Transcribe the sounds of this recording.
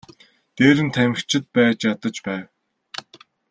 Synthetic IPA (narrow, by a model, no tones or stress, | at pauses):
t̪eːɾɘ̆nt̪ʰæmʲɘ̆xt͡ɕʰɪ̆t̪̚pæːt͡ɕjat̪ə̆t͡ɕpæːw